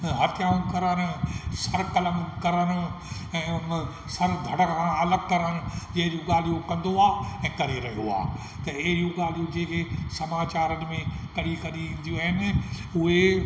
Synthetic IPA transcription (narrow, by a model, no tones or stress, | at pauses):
ɦɐt̪ʰɪjaːũkɐɾənsɐɾkɐlə̃ŋɡkɐɾənʊ̆ | ɛ̃ːʊn | sɐɾd̪ʱɐɽəkãɐləɡ̚kɐɾən̆d͡ʑeːɾõɡaːl̤ijokɐ̃nd̪oaːɛ̃ːkɐɾeɾɐɦijo̰a̰ː | t̪ɐɪɦɪijõɡaːl̤ijod͡ʑeːkʰesɐmaːt͡ɕaːɾənɪ̆mẽkɐɽikɐɗiʋĩːnd̪ijũaːɦɪnɪ̆ʊɦe